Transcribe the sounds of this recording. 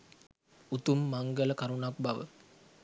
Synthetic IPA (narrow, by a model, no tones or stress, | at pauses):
ut̪umːaŋɡələkaɾuɳak̚baʋə̰